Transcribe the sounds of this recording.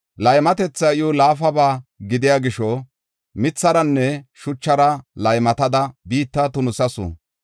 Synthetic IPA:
lɐjmɐt̪ɛt͡sːɐjʊlaːfɐbaːɡɪd̪ɪjaːɡɪʃɔ | mɪt͡sːɐɾɐnːɛʃʊt͡ʃːɐɾɐlɐjmɐt̪ɐd̪ɐbiːt̪ːɐt̪ʊnʊsɐsʊ̰

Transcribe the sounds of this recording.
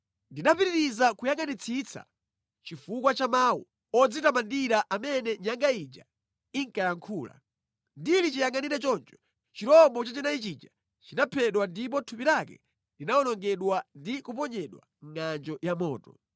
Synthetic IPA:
ndinapiɾiɾizakujaŋanit͡sʰit͡sʰa̰ | t͡ʃifukwat͡ʃamaːwṵ | ɔd͡zitamandiɾaʔamɛnɛɲaŋɡaid͡ʒa̰ | iŋkajaŋkʰuːla̰ | ndilit͡ʃijaŋaniɾɛt͡ʃɔnt͡ʃɔ̥ | t͡ʃiɾɔmbɔt͡ʃat͡ʃinait͡ʃid͡ʒa | t͡ʃinapʰɛɗwandip̬ɔtʰupiɾakɛ̰ | linaɔnɔŋɡɛɗwandikupɔɲɛɗwa̰ŋŋand͡ʒɔjamɔːtɔ

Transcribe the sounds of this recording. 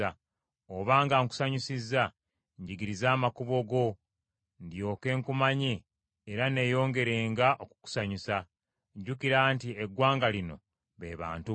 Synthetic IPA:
a | oβaːŋɡaːŋku̥saɲusizːa | ɲɟiɡiɾizaːmakuβo̞ɡo̞ | ndjo̞ːke̞ːŋkumaɲiː | ɾane̞ːjo̞ːŋɡe̞ɾe̞ːŋɡaʔoku̥ku̥saɲusa | ɟːukiɾaːntieɡwaːŋɡalino̞̰ | βḛːβa̰ːntu

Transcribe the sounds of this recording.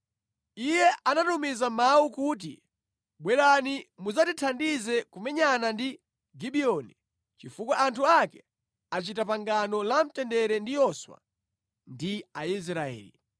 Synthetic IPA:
ijɛʔanatumizamaukut̬ḭ | ɓwɛlanimuzatitʰandizɛkumɛɲanandi | ɡiɓiɔni | t͡ʃifukwaʔantʰuakɛ | at͡ʃitapaŋɡanɔlam̩tɛndɛɾɛndijɔswa̰ | ndiais̬ɾaɛ̰ːlḭ

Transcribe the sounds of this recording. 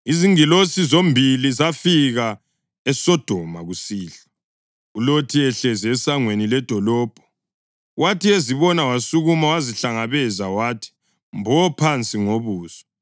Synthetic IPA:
iziŋilosizombʱilizafiɣa | ɛsɔd̥ʱɔmaɣusiːɬḁ | ulotʰiɛɬɛzɛɛsaŋwenilɛd̥ʱɔlɔːb̥ʱɔ̥ | watʰieziβɔnawasuɣumawaziɬaŋaβɛzawaːtʰi̥ | mbʱɔpʰant͡sʼiŋoβuːsɔ̥

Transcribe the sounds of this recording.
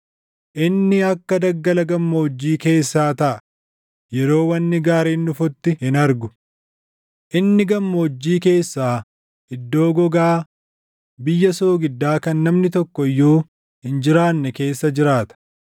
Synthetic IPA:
ʔɪnːɪɐkːɐd̪ɐɡːɐlɐɡɐmːɐːd͡ʒːiːke̞ːsːaːt̪ɐʔɐ | jɛɾo̞ːwɐnːɪɡaːɾeːnːʊfʊt̪ːɪhɪnɐɾɡʊ̥ | ʔɪnːɪɡɐmːoːd͡ʒːiːke̞ːsːaː | ɪd̪ːo̞ːɡɔɡaː | bɪjːɐsoːɡɪd̪ːaːkɐnːɐmnɪt̪ɔkːɔɪjːoː | hɪnd͡ʒɪɾaːnːɛke̞ːsːɐd͡ʒɪɾaːt̪ɐ̥

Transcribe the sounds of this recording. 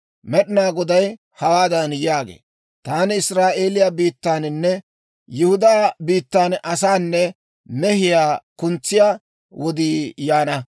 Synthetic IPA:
mɛɗɪnaːɡɔd̪ɐj | hɐwaːd̪ɐnjaːɡḛː | t̪aːnɪɪsɾaːʔe̞ːlɪjabiːt̪ːaːnɪnːɛ | jɪhʊd̪aːbiːt̪ːaːnʔɐsaːnːɛ | mɛhɪjaːkʊnt͡sːɪjaː | wɔd̪iːjaːnɐ

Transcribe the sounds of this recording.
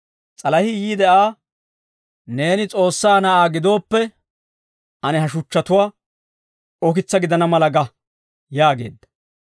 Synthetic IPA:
t͡sʼɐlɐhɪjiːd̪ɛʔaː | ne̞ːnɪt͡sʼo̞ːsːaːnɐʔaːɡɪd̪o̞ːpːɛ | ʔɐnɛɦɐʃʊt͡ʃːɐt̪ʊwaː | ɔkɪt͡sːɐɡɪd̪ɐnɐmɐlɐɡɐ | jaːɡe̞̰ːd̪ːɐ̥

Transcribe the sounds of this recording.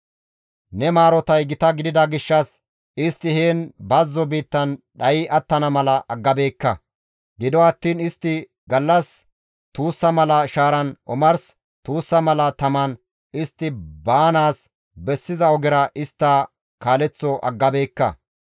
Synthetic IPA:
nɛmaːɾɔt̪ɐjɡɪt̪ɐɡɪd̪ɪd̪ɐɡɪʃːɐs | ɪst̪ːɪheːnbɐzːɔbiːt̪ːɐnɗɐjɪʔɐt̪ːɐnɐmɐlɐʔɐɡːɐbe̞ːkːɐ | ɡɪd̪ɔɐt̪ːiːnɪst̪ːɪ | ɡɐlːɐs | t̪uːsːɐmɐlɐʃaːɾɐnʔɔmɐɾs | t̪uːsːɐmɐlɐt̪ɐmɐn | ɪst̪ːɪbaːnaːs | bɛsːɪzɐɔɡɛɾɐʔɪst̪ːaː | kaːlɛt͡sːɔʔɐ̰ɡːɐbe̞ːkːɐ̰

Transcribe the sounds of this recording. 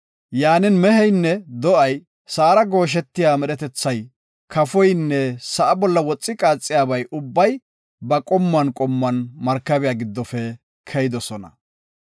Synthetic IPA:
jaːnɪnmɛɦɛjnːɛd̪ɔʔɐj | saːɾɐɡo̞ːʃ̬ɛt̪ːɪjaːmɛɗɛt̪ɛt͡sːɐj | kʰɐfɔjnːɛsɐʔɐbɔlːɐwɔt͡sʼːɪkʼaːt͡sʼːɪjaːbɐjʔʊbːɐj | bɐkʼɔmːɐnkʼɔmːɐnmɐɾkːɐbɪjaːɡɪd̪ːɔfɛ | kʰɛjɪd̪ɔsɔnɐ̰

